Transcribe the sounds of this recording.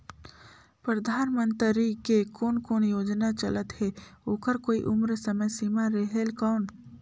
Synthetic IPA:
pɾəd̪ʱaːnmə̃nt̪ɾikekoːnkoːnjoːd͡ʒnat͡ʃɐ̰lət̪hɛoːkəɾkoːḭʔʊmɾəsəməjsimaɾeɦelkɔːn

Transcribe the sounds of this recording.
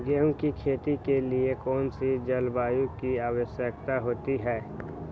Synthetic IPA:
ɡeɦʊ̃kikʰeːt̪ikeliekɔːnsid͡ʒəlbaːjũkiaːwəʃjək̚t̪aɦoːt̪iɦɛː

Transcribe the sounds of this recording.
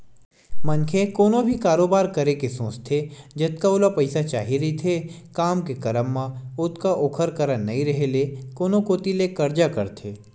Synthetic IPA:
mɐnkʰekoːnõbʱikaːɾoːbaːɾkɐɾekesõːst̪ʰed͡ʒɐt̪̚kaʊlapɐɪsat͡ʃaːɦiɾɐɦit̪ʰekaːmkekɐɾəmːãʊt̪kaʔoːkʰəɾkɐɾənːɐɦĩɾɐɦelekoːnõkoːt̪ilekɐɾd͡ʒakɐɾt̪ʰeː

